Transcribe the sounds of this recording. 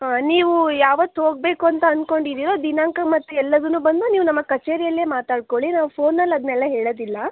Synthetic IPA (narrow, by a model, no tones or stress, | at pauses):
ɦaːniːʋujaːʋɐt̪ːuɦoːɡ̚beːkuɐnt̪ɐɐnko̞ɳɖid̪iːɾo̞ːd̪inaːŋkɐmɐt̪ːuɛlːɐd̪ɐnːuːbɐnd̪uniːʋunɐmːɐkɐt͡ʃeːɾijɐlːeːmaːt̪aːɖ̚koɭinaːʋupʰo̞ːnːɐlːɐd̪ɐnɛlːɐɦeːɭoːd̪ilːɐ